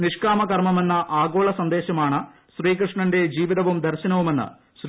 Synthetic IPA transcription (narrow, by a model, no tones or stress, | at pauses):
niʂkaːmɐkɐrmɐme̞nːɐʔaːɡoːɭɐsɐnd̪e̞ːɕɐmaːɳɨ | ɕriːkrɨʂɳɐnde̞d͡ʑiːʋiðɐʋumd̪ɐɾɕɐnɐʋume̞nːɨ̰ | ɕr